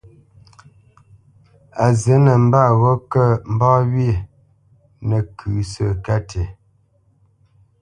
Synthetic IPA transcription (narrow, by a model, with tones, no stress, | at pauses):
a˨zə˨˦nə˨m̩˦ba˦˨ɣɔ˦kə˦˨m̩˨˦bɔ˦wi˦˨ | nə˨kʰʉ˨˦sə˦˨ka˦tʰe˨